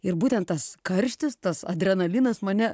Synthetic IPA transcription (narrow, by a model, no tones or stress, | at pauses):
ɪɾbuːt̪ʲɛnt̪̚t̪ɐskɐɾʲʃʲt̪ʲɪst̪ɐsɐ̰d̪ʲɾʲɛnɐlʲiɪnɐsmɐnʲɛ